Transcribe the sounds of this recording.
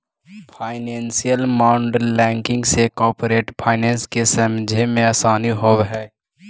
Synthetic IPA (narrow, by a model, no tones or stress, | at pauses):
fʰaːɪnɛ̃ːnsijəlmaːʊɳɖəlɛ̃ːŋkɪ̃ŋɡsekɔːpɾeːʈpʰaːɪnɛ̃ːnskesɐmd͡ʒʱemẽaːsaːniɦoɦɛː